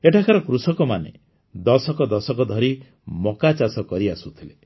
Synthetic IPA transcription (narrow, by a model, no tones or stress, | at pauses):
eʈʰakʰaɾɔkɾusɔkɔmanḛ | d̪ɔsɔkɔd̪ɔsɔkɔd̪ʱɔɾi | mɔkat͡ʃasɔkɔɾiasut̪ʰile